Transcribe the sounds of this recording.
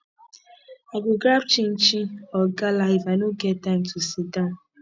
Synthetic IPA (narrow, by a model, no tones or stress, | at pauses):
aɡʊɡɾab̚t͡ʃin̩t͡ʃiɔɡalaɪvanoɡɛtaɪmtʰusidɔ̃n